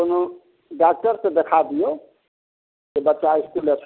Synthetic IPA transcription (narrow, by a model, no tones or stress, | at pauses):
kono | ɖak̚ʈʌɾsed̪ekʰad̪ijo | kebʌtːsaiskulet͡ʃʰ